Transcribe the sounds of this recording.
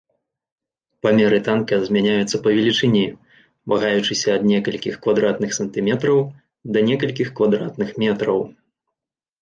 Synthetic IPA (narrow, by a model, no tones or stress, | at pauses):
pɐmʲɛɾɨt̪ankɐzʲmʲanʲajut̪sːɐpɐvʲɛlʲit͡ʂɨnʲi | maɣajut͡ʂɨsʲɐːd̪nʲɛkɐlʲkʲixkvad̪ɾat̪nɨxsɐnt̪ɨmʲɛt̪ɾɐw | d̪ɐnʲɛkɐlʲkʲixkvad̪ɾa̰t̪nɨxmʲɛt̪ɾɐw